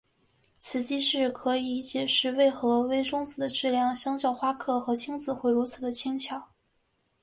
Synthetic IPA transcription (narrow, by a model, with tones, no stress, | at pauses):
t͡sʰɹ̩˨˩t͡ɕi˥ʂɻ̩˥˩kʰɤ˧˥i˨˩t͡ɕjɛ˨˩ʂɻ̩˥˧we˥˩ɪxɤ˧˥we˥ɪʈ͡ʂʊ˥ŋt͡sɹ̩˨˩d̪ə˦ʈ͡ʂɻ̩˥˧ljɑ˥˩ŋɕjɑ˥ŋɕ̬jɑ˥˩ʊxwa˥kʰɤ˥˩xɤ˧˥t͡ɕʰi˥ŋt͡sɹ̩˨˩xwe˥˩ɪɻu˧˥t͡sʰɹ̩˨˩d̪ə˦t͡ɕʰi˥ŋt͡ɕʰjɑ˨˩˦ʊ